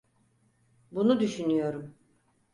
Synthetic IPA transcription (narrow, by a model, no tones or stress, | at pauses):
bunud̪yʃynyjo̞ɾum